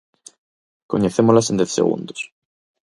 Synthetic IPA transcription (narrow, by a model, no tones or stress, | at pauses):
koɲeθemolasend̪eθsḛɣṵ̃nd̪os